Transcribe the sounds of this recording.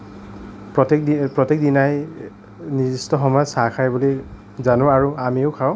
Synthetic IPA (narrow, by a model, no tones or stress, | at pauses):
pɹɔtek̚dipɹɔtek̚dinaj | nizistɔxɔmazsakʰajbɔloj | zanʊ̃aɹuamiʊkʰaʊ